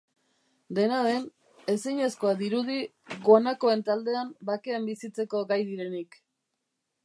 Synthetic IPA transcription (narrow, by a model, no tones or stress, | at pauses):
d̪e̞naðe̞n | e̞siɲesko̞ad̪iɾuð̞i | ɣonako̞e̞nt̪ald̪e̞ambakeambisit͡se̞ko̞ɡajðiɾe̞nik